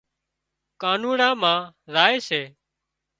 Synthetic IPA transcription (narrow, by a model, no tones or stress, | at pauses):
kaːnũːɳãːmãːɾaːeːseː